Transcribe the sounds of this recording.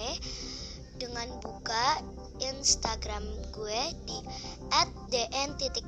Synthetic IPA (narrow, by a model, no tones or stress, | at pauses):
e | d̥əŋanbuka | inst̪aɡɾamɡued̥iʔɛt̪̚deʔɛnt̪it̪i